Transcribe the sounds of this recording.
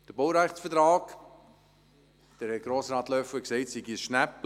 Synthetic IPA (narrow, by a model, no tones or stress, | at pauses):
d̥əbowɾæχtsfətɾaːk | d̥ɛɾhɛɡ̥ɾɔːsɾɑːtlœfəksɛɪtsiɡisʃnæp